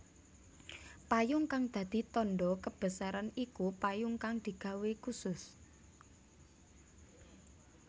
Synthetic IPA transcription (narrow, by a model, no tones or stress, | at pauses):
pajʊŋkaŋd̪̥ä̤d̪̥i̤t̪ɔnɖɔkəb̥ə̤saɾanikupajʊŋkaŋd̪̥i̤ɡ̥ä̤wekusʊs